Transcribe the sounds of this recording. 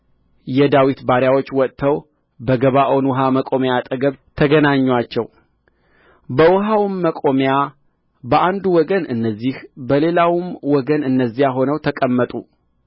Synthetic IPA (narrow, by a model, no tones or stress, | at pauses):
jɛd̪awit̪baɾjawo̞t͡ʃːwɔt̪ʰːəw | bəɡəβaʔonwɔɦaməkʼo̞mjat̪ʼəɡəβt̪ʰəɡənaɲːwat͡ʃːɛw | bəwɔɦawmːəkʼo̞mja | bəʔand̪uwɔɡənɨnːəzːihbəle̞lawmwɔɡənɨnːəzːijaɦo̞nəwt̪ʰəkʼəmːət̪ʼu